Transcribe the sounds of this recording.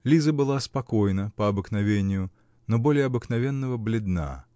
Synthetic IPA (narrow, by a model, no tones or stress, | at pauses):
lʲizəbɨlˠaspɐkojnəpɐɐbɨknavʲenʲɪjʊ | nɔbolʲɪjɐbɨknavʲɛnːəvəblʲɪd̪na̰